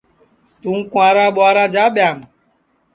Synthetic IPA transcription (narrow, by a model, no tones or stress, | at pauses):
tuŋ̩kuaɾaɓɔaɾad͡ʒaɓjamʊ